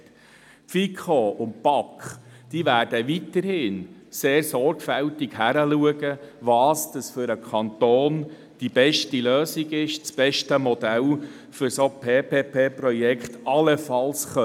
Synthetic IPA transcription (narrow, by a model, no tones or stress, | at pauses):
pfikʰoʊn̚pɑkχd̥iːʋæːɾd̥əʋitəɾhɪːnseːrsɔɾɡ̥fæltiɡhæɾəluəɡəʋɑːsd̥ɑsfʏɾəkʰɑnt̪oːn | d̥ib̥ɛʃtiløːsiɡɪʃt͡sb̥ɛʃtəmɔd̥̪æl | fʏɾsopʰeːpʰeːpʰeːprɔjɛkχt̪ɑləfɑlsχœ